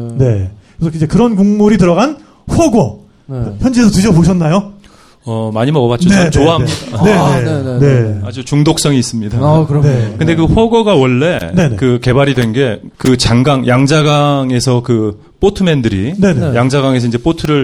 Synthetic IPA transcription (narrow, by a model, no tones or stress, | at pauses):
ne̞kɾesʰʌid͡ʑe̞kɯɾʌnkuŋmuɾitɯɾʌɣan | ɸwʌɡʌ | çjʌnd͡ʑiesʰʌtɯɕ̬ʰʌboɕʰʌnːajo | ʌmaɲimʌɡʌbat͡ɕonenoaɦamidaane̞nenead͡ʑut͡ɕuŋdok̚s͈ʌŋiːs͈ɯmɲidakɯɾnekɯnde̞k̬ɯɸwʌɡwʌɡawʌɭːe̞ne̞ne̞kɯke̞baɾidwe̞nɡe̞ | kɯt͡ɕaŋɡaŋjaŋd͡ʑaɡaŋe̞sʰʌkɯ | p͈otʰɯme̞ndɯɾine̞ne̞jaŋd͡ʑaɡaŋe̞sʰʌind͡ʑe̞p͈otʰɯɾɯɭ